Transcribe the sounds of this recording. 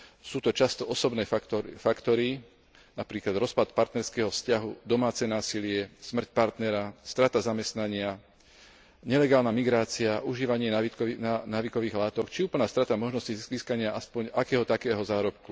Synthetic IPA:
suːt̪ɔt͡ʃast̪ɔɔsɔbnɛːfakt̪ɔɾi | napɾiːklad̪ɾɔspat̪paɾt̪nɛɾskɛːɦɔfscaɦud̪ɔmaːt͡sɛnaːsilɪɛsmr̩c̚paɾt̪nɛɾast̪ɾat̪azamɛst̪naɲɪa | ɲɛlɛɡaːlnamiɡɾaːt͡siaʔuʒiːʋaɲɪɛananaːʋikɔʋiːɣlaːt̪ɔkt͡ʃiuːpl̩naːst̪ɾat̪amɔʒnɔsciziːskaɲɪaʔaspɔɲakɛːɦɔt̪akɛːɦɔzaːɾɔpku

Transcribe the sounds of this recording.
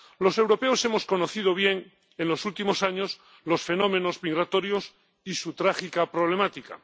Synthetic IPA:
lo̞se̞wɾo̞pe̞ose̞mo̞sko̞no̞θiðoβ̞je̞ŋ | enlo̞sult̪imo̞saɲo̞s | lo̞sfe̞no̞mẽ̞no̞zmiɣɾat̪o̞ɾjo̞s | isut̪ɾaxikapɾo̞β̞le̞mat̪ika̰

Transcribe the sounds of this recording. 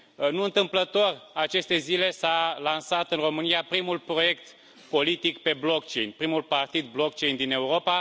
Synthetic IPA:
nuɨnt̪ɨmplət̪o̞rat͡ʃe̞st̪e̞zile̞salansat̪ɨnro̞mɨnijapɾimulpɾo̞je̞kt̪ | po̞lit̪ikpe̞blo̞kt͡ʃe̞jnʲpɾimulpart̪id̪̚blo̞k̚t͡ʃe̞jnd̪ine̞uɾo̞pa

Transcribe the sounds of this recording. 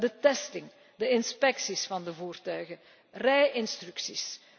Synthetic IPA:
dətɛstɪŋ | dəɪnspɛksisfɑndəvuːrtœɥɣə | rɛjʔɪnst̪rʉksis

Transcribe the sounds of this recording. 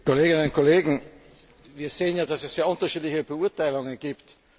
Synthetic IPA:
kʰoleːɡɪnənʊntkʰoleːɡŋ̩ | viːɐzeːənjaːdasɛsseːɐʊ̃ntɐʃiːtlɪçəbəuɐtaɪlʊŋənɡ̥iːpt

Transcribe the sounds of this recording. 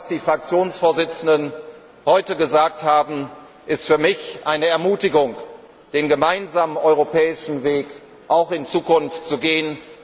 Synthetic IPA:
asd̥iːfʁ̥ak̚t͡sjoːnsfoːɐzɪt͡sn̩dən | hɔʏtəɡəzaːk̚thaːbm̩ | ʔɪstfyːɐmɪçʔaɪnəɛɐmuːtɪɡʊŋ | d̥eːnɡəmaɪnzaːmənʔɔʏʁopʰɛːɪʃn̩veːk | ʔaʊxɪnt͡suːkʊnftt͡suɡeːən

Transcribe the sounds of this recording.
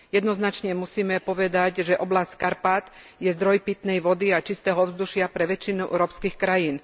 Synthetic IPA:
jɛd̪nɔznat͡ʃɲɛmusiːmɛpɔʋɛd̪aɟʒɛʔɔblasckaɾpat̪ | jɛzd̪ɾɔjpit̪nɛjʋɔd̪iat͡ʃist̪ɛːɦɔɔvzd̪uʃɪapɾɛʋɛt͡ʃinuʔɛ̰wɾɔpskiːxkɾajiːn

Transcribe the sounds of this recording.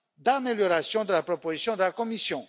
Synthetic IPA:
d̪ameljɔʁasjɔ̃d̪əlapχɔpozisjɔ̃d̪əlakɔmisjɔ̃

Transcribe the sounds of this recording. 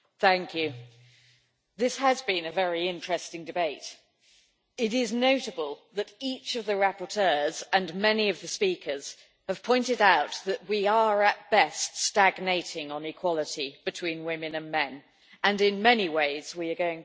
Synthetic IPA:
θæ̃ŋkʰjʉ | ðɪshəzbɪ̃nɨvɛɹiɪ̃nt͡ʃɹ̥ɛstɪ̃ŋdɨbeɪt | ɪɾɪznoʊɾəbəlˠðəɾiˑt͡ʃʌvðəɹæpətʰɜːzə̃nmɛniʌvðɨspiˑkʰəz̥ | həv̥pʰɔ̃ɪ̃ntɪɾaʊt̪̚ðɨʔ̚wiəɹət̚b̥ɛststæɡneɪtɪ̃ŋə̃nɪkʰw̥ɒlˠətib̥ɨtʰw̥ĩnwɪmɨ̃nə̃nmɛ̃n | ə̃nɪ̃nmɛniweɪzwiəɡəʊɪ̃ŋ

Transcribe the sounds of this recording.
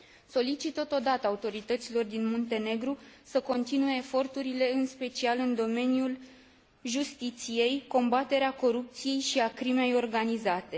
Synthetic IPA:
so̞lit͡ʃit̪ːət̪od̪at̪əaut̪o̞ɾit̪ət̪silo̞rd̪inmont̪e̞ne̞ɡɾusəko̞nt̪inue̞ːfo̞rt̪uɾile̞ɨnspe̞t͡ʃialɨnd̪o̞me̞njul | ʒust̪it̪sije̞jko̞mbat̪e̞ɾeako̞ɾup̚t̪sije̞jʃiakɾime̞jo̞rɡanizat̪e̞

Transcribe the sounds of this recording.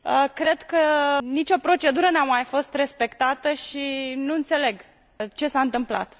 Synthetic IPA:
əkɾe̞d̪kənit͡ʃo̞pɾo̞t͡ʃe̞d̪uɾənamajfo̞st̪re̞spe̞kt̪at̪əʃinuɨnt̪se̞le̞ɡ | t͡ʃe̞saɨnt̪ɨmpla̰t̪

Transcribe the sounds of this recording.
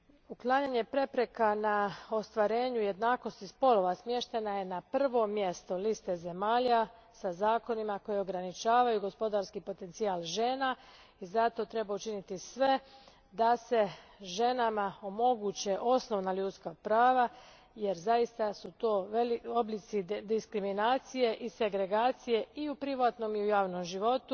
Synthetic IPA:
uklˠaːɲaɲe̞pɾe̞pɾe̞kanao̞st̪ʋaɾe̞ːɲuje̞d̪naːko̞st̪ispo̞lo̞ʋasmje̞ʃt̪e̞naje̞napr̩ʋo̞mjest̪o̞list̪e̞ze̞maːʎa | sazaːko̞nimako̞jioɡɾanit͡ʃaːʋajuɡo̞spo̞d̪aɾskipo̞t̪e̞nt̪siaːlˠʒe̞ːna | izat̪o̞t̪ɾe̞baut͡ʃinit̪isʋe̞ | d̪ase̞ʒe̞namao̞mo̞ɡut͡ɕeʔo̞sno̞ʋnaʎuːt̪skapɾaːʋa | jeɾzajist̪asut̪o̞ːelioblit̪sid̪iskɾiminaːt̪sije̞ʔise̞ɡɾe̞ɡaːt̪sije̞iupɾiʋaːt̪no̞miujaːʋnomʒiʋo̞t̪u

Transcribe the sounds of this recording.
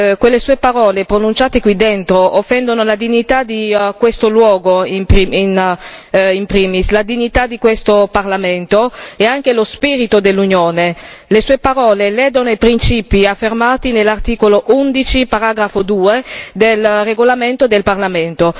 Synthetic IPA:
kwelːesuːepaɾɔːlepɾonunt͡ʃaːt̪ekwid̪ent̪ɾoʔofːɛnd̪onolad̪iɲːit̪ad̪ikwest̪olwɔːɡoimiin | impɾiːmislad̪iɲːit̪ad̪ikwest̪oparlament̪oeaŋk̟elospiːɾit̪od̪elːunjoːnelesuːepaɾɔːlelɛːd̪onoipɾint͡ʃiːpiafːermaːt̪inelːart̪iːkoloʔund̪it͡ʃipaɾaːɡɾafod̪uːed̪elreɡolament̪od̪elparlament̪o

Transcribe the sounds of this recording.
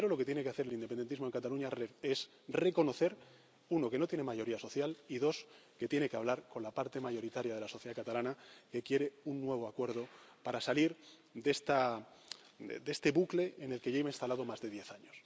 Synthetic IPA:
eɾo̞lo̞ket̪jene̞keaθeɾelind̪epend̪nt̪izmoe̞ŋkat̪aluɲaees | re̞ko̞no̞θe̞ɾ | uno̞ke̞no̞t̪jene̞maʝo̞ɾiaso̞θjaliðo̞ske̞t̪je̞ne̞keaβ̞laɾko̞nlapaɾt̪e̞maʝo̞ɾit̪aɾjað̞e̞laso̞θjðakat̪alanake̞kje̞ɾe̞unːwe̞β̞oakwe̞ɾð̞o̞paɾasaliɾ | d̪e̞st̪a | d̪e̞st̪e̞βukle̞ːne̞lkeʝejmainst̪alað̞omazðe̞ðje̞θaɲos

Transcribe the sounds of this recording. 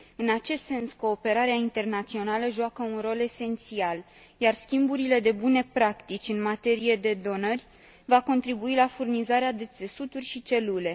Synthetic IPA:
ɨnat͡ʃe̞st̪se̞nsko̞ːpe̞ɾaɾeaint̪e̞rnat̪sio̞naləʒoakəunro̞le̞se̞nt̪sial | jarskʲimbuɾile̞d̪e̞bune̞pɾakt̪it͡ʃʲɨnmat̪e̞ɾie̞d̪e̞d̪o̞nərʲ | vako̞nt̪ɾibuilafurnizaɾead̪e̞t̪se̞sut̪urʲʃit͡ʃe̞lule̞

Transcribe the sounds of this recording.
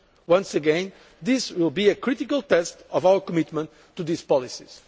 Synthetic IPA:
wʌ̃nsɨɡɛ̃n | ðiswilˠbiɨkʰɹit̪ikəlˠt̪ɛstɔvawə˞kɔmit̪mə̃ntʰːuðispɔlˠisiz̥

